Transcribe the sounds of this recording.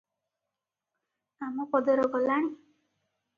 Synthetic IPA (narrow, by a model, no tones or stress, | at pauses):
amɔkɔd̪ɔɾɔɡɔlaɽ̃i